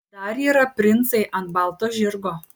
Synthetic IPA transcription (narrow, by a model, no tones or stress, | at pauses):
d̪ɐɾiːɾɐpʲɾʲɪnt̪sɐɪʔɐnt̪bɑˑlˠt̪oːʒʲɪɾɡoː